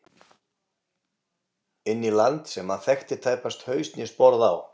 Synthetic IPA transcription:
ɪnːilant̪sɛmaðθɛxt̪ɪt̪ʰaːjpast̪hœːɥst̪njɛspɔɾðaw

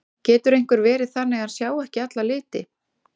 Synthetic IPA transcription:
cɛːt̪ʏɾejŋ̥kʏɾvɛːɾɪðθanːɛɣansjaːwɛhcɪat̪lalɪːt̪ɪ

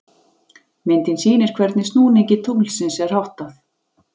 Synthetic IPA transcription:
mɪnt̪ɪnsiːnɪɾ̥kʰvɛɾt̪nɪst̪nuːniɲcɪt̪ʰuklsɪnsɛɾ̥hawht̪aθ

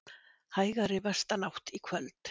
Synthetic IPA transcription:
haːjɣaɾɪvɛ̥st̪anawht̪ikʰvœlt̪

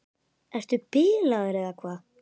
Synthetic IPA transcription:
ɛst̪ʏpɪːlaðʏɾɛðakʰvaː

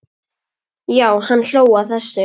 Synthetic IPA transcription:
jaːwhanːɬoːwaθɛsːɪ

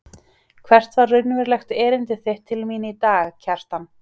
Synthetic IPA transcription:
kʰvɛr̥t̪vaɾːʏnvɪɾlɛxt̪ɛːɾɪnt̪ɪθeht̪ʰːɪlmiːnɪit̪aːɣcʰɛr̥t̪anː

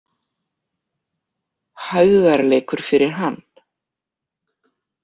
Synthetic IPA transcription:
hœɣðaɾleːjkʏɾ̥fɪɾɪɾ̥ɦan

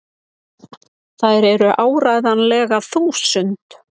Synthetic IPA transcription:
θajɾɛɾʏʔaːwɾajðanlɛːɣaθuːsʏnt̪

